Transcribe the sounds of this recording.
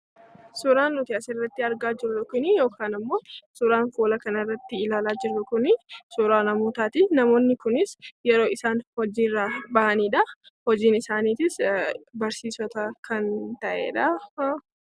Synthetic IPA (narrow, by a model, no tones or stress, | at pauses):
sʊɾaːnːʊt̪ɪɐsɪrːɐt̪ːɪɐɾɡaːd͡ʒɪɾʊlɔkɪnijo̞ːkʰaːnɐmːo̞ːsʊɾaːnfoːlɐkɐnɐrːɐt̪ːɪɪlaːlaːd͡ʒɪrːɐkʊnɪsʊɾaːnɐmuːt̪aːt̪ɪnɐmoːnːɪkʊnɪsjɛɾo̞ːɪsaːnhɔd͡ʒiːrːaːbɐʔɐniːᶑɐ | hɔd͡ʒiːnɪsaːniːt̪ɪsbɐɾsiːsɔt̪ɐkʰɐnt̪ɐʔḛːᶑɐ